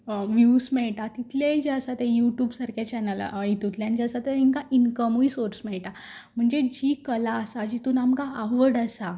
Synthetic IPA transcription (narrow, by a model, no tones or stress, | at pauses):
ʋjusmɛɭʈat̪it̪ʰljaid͡ʑəsat̪ejuʈjuːbsəɾkat͡ɕɛnəlit̪ut̪ljand͡ʑaəsat̪eiŋkaʔinkəmuisoɾsmɛɭʈa | m̤əɳd͡zed͡ʑiːkəlaəsad͡ʑit̪uːnamkaːʋəɽəsa